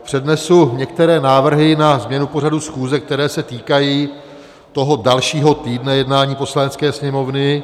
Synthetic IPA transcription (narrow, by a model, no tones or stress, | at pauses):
pr̥ɛdnɛsuɲɛk̚t̪ɛɾɛːnaːvr̩ɦɪnazmɲɛnupo̞r̝adusxuːzɛk̚t̪ɛɾɛːsɛt̪iːkajiː | t̪o̞ɦo̞dalʃiːɦo̞t̪iːdnɛjɛdnaːɲiːpo̞slanɛt͡skɛːsɲɛmo̞vnɪ